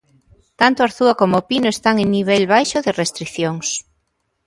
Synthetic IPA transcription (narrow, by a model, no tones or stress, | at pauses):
t̪ant̪oaɾθuakomopinoest̪aŋeŋniβ̞elβajʃoðerest̪ɾiθjoŋs